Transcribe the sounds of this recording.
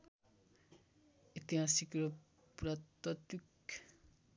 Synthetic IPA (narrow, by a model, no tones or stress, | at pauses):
it̪iɦasikro | prʌt̪ʌt̪ik